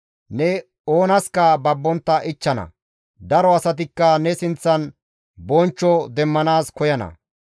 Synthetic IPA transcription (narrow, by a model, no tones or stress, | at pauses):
nɛ | o̞ːnɐskɐbɐbːɔnt̪ːɐʔɪt͡ʃːɐnɐ̰ | d̪ɐɾɔɐsɐt̪̬ɪkːɐnɛsɪnt͡sːɐn | bɔnt͡ʃːɔd̪ɛmːɐnaːskɔjɐnɐ̰